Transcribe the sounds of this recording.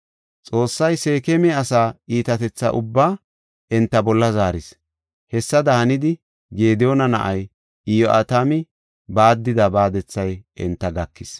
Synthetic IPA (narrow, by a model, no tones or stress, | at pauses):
t͡sʼo̞ːsːɐjse̞ːkɛmɛɐsaːiːt̪ɐt̪ɛt͡sːɐ̰ʔʊbːaː | ʔɛnt̪ːɐbɔlːɐzaːɾɪs | hɛsːɐd̪ɐhɐnɪd̪ɪ | ɡe̞ːd̪ɛjonɐnɐ̰ʔɐj | ɪjɔʔa̰t̪amɪ | baːd̪ːɪd̪ɐbaːd̪ɛt͡sːɐjʔɛnt̪ːɐɡɐkːɪs